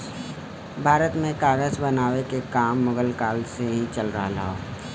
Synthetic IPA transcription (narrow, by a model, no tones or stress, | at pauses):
bʱaːɾət̪mẽkaːɡəzbənaːʋekekaːmːʊɡəlkaːlseɦĩt͡ʃəlɾaɦla̰ɦoː